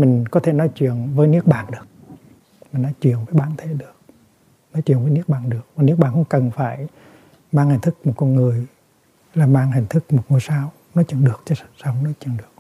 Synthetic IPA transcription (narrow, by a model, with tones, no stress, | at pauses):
mï˨˩ŋ̟kɔ˨˦t̪ʰe˧˩nɔ˨˦jt͡ɕwi˧˨ənvəː˨˦jni˦˥ək̚ɓaː˧˨nɗɨ˨˩ək̚ | mï˨˩ŋ̟nɔ˨˦jt͡ɕwḭ˧˨ənvəː˨˦jɓaː˧˩nt̪ʰe˧˩ɗɨ˨˩ək̚ | nɔ˨˦jt͡ɕwi˧˩ənvəː˨˦jni˦ək̚ɓaː˧˩nɗɨ˨˩ək̚maː˨˩ni˦˥ək̚ɓaː˨˩hə̰˧˦wŋ͡mkə˨˩nfaː˧˩j | maː˧ŋhi̟˨˩t̪ʰɨ˦˥k̚mo˨˩kɔ˧nŋɨ˨˩əj | laː˨˩maː˧ŋhï˨˩ŋ̟t̪ʰɨ˦˥k̚mo˨˩t̚ŋu˧˩jsaː˧w | nɔ˨˦t͡ɕɨ˧˩ŋɗɨ˨˩ək̚t͡ɕɔ˧˦˧sa˨˧wŋ͡mnɔ˨˦t͡ɕɨ˧˩ŋɗɨ˨˩ək̚